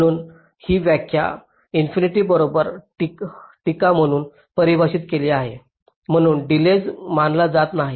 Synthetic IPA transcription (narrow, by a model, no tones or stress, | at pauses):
ɽ̃uːn | hiːʋjakʰja̰ | infiniʈiːbəɾobəɾʈʈikam̤əɽ̃uːn | pəɾibʱaɕiːt̪keliaɦe | m̤əɽ̃uːnɖiled͡zmanlad͡zat̪naɦi